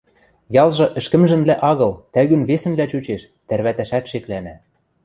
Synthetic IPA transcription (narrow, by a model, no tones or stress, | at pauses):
jɑlˠʒɤ̆ʔɘ̆ʃkɘ̆mʒɘ̆mblæʔɑɣɤ̆lt̪æɣynβesɘ̆mblæt͡ɕut͡ɕeʃ | t̪ærβæt̪æʃæt̪ʃeklænæ